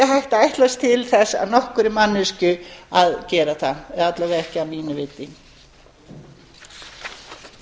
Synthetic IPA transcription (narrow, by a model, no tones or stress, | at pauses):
ɛɦajht̪aajht̪last̪ʰɪlθɛsːa̰ðnɔhkʏɾɪmanːʏscʏaðcɛːɾaθanɛðat̪lavɛɛhcɪamiːnʏvɪt̪ːiŋ